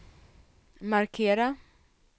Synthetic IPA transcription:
maɾkʰeːɾa

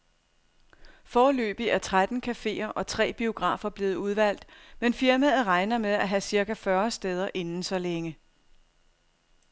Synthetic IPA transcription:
fɒːlø̰ːb̥iæɐt͡sʰʁad̥n̩kʰæfe̝̰ːɐʔɒ̽t͡sʰʁɛ̰ːb̥io̝ɡ̥ʁɑ̰̈ːfɐb̥le̝ːð̞̩ˠuð̞ˠʋæl̰d̥menfiɐmæð̩ˠʁɑ̈ɪnɐmeðˠæɦæsiɐkæfɶɐsd̥eːð̞ˠɐʔe̝nn̩sɒ̽leŋə

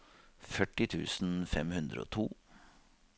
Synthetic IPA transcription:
fœʈːɪt̪ʰʉːsn̩fɛmhʉnd̪ɾə̰o̰ːt̪ʰuː

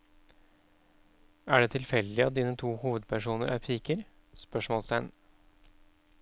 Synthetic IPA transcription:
æːɖeːt̪ʰɪlfɛld̪ɪɑt̪̚d̪iːnət̪ʰuːhuːʋəd̪̚pʰæʂuːnəɾʔæ̰ːɾpʰiːkəɾ | spœʂmɔːlsæn

